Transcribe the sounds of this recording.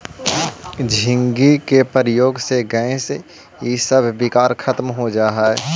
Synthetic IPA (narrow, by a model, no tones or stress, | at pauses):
d͡ʒʱɪ̃ŋɡikepəɾəjoːɡseɡɛ̃ẽs | isəbʱbɪkaːɾkʰɐt̪mɦod͡ʒaːɦaɛ